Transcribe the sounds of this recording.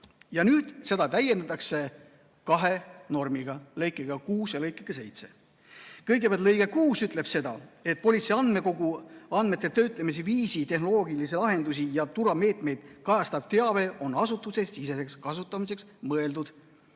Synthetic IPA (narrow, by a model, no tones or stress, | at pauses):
jɑnyːd̪̥se̞d̪ɑt̪æjend̪ɑt̪ːˑɑkse̞ | kɑɦe̞no̞rmiɡ̥ɑlɤjkːˑeɡ̥ɑkuːsjɑlɤjkːˑeɡ̥ɑse̞jt̪se̞̰ | kɤjɡepʲæɑlt̪lɤjɡ̥ekuːsyt̪ˑle̞b̥se̞d̪̥ɑ̰e̞t̪̚po̞lʲit̪seɑnd̪̥me̞ko̞ɡuɑnd̪me̞t̪ˑːet̪ø̞ːt̪ˑlɑmis̬eviːsit̪e̞hno̞lo̞ːɡilis̬elɑɦe̞nd̪us̬ijɑt̪uɾɑme̞ːt̪me̞jd̪̥kɑjɑst̪ɑv̥t̪e̞ɑve̞ʔo̞nɑsut̪ːˑusesise̞se̞kskɑsut̪ˑːɑmise̞ks | mɤe̞ld̪ud̪̥